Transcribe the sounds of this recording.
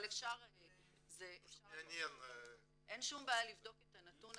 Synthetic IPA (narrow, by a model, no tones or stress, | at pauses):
lefʃaʁ | zeefʃaeanen | ʔe̞nʃumbaːjalivd̪o̞ketanatun